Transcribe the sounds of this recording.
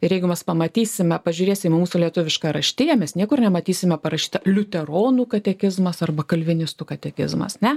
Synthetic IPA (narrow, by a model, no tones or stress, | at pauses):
ɪrjɛɪɡʊmʲɛspɐmɐt̪ʲiːsʲɪmʲɛpɐʒʲʊɾʲeːsʲɪmmuːsʊlʲiɛt̪ʊʋʲɪʃkɑɾɐʃʲt̪ʲɪjɛmʲɛsnʲiɛkʊrnʲɛmɐt̪ʲiːsʲɪmʲɛpɐɾɐʃʲi̥ːt̪ɐlʲʊt̪ʲɛɾoːnuːkɐt̪ʲɛkʲɪzmɐsɐrbɐkɐlʲʋʲɪnʲɪst̪ukɐt̪ʲɛkʲɪ̰zmɐ̰snʲɛ